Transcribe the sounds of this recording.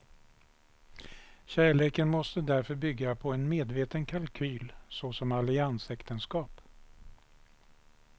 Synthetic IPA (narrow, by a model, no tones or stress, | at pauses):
ɕæːɭeːkənmɔst̪əd̪æɾfœɾbʏɡːapʰɔɛnmeːd̪veːt̪ənkʰalkʰyːlsɔsɔmalɪansɛkt̪ənskɑːp